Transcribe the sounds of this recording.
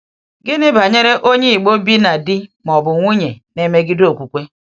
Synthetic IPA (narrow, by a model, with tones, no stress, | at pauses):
ɡɪ˦nɪ˦ba˨ɲe˦ɾe˦ʔo˦ɲe˦i˨k͡po˦bi˦na˨dɪ˦mɔ˨bʊ˨ŋʷu˦ɲe˨ne˦me˦ɡɪ˦do˨kʷu˨kʷe˦